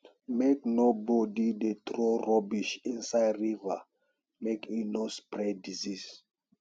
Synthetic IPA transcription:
meknobɔdidet̪ɹoɹɔbiʃĩnsajdɹiva | mekʰinospɹɛdizis

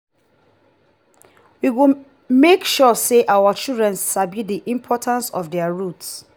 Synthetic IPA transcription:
wiwu | mekʃɔseʔawat͡ʃildɹɛ̃nssabidiʔĩmpʰɔtʰãnsɔ̰fdɛaɹuts

